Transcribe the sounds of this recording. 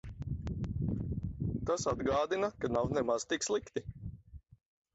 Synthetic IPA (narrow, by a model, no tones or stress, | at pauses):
t̪asad̪ɡaːd̪inakanawnɛmaz̥t̪ikslˠikt̪i